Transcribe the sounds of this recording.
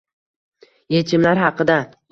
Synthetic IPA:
je̞t͡ʃʰɪmlaɾɦɑqɨd̪a

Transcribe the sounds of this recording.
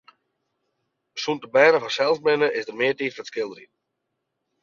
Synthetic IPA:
əsuntəbɛːɾəfasɛlˠsbɪnəʔɪzdərmɪətiːtfətskɪlˠdəri

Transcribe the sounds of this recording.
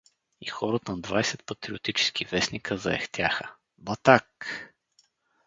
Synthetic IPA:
ixɔɾət̪ənd̪vajsɛt̪̚pɐt̪ɾiʊt̪it͡ʃɛ̥skʰivɛsnikʰəzɐ̰ɛ̰xt̪ʲjaxə | bɐt̪ak

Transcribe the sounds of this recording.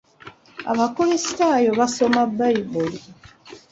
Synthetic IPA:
a̰βakoβesitaːjo̞βaso̞mabajiboli

